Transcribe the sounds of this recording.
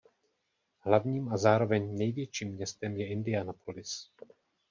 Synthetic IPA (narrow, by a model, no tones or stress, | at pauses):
ɦlavɲiːmazaːɾo̞vɛɲnɛjvjɛt͡ʃiːmːɲɛst̪ɛmjɛɪndɪanapʰolɪs